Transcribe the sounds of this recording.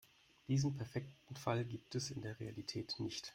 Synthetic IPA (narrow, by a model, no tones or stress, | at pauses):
d̥iːzn̩pʰɛɐfɛk̚tn̩falɡiːp̚tɛsɪndeːɐʁealitʰɛːtnɪçt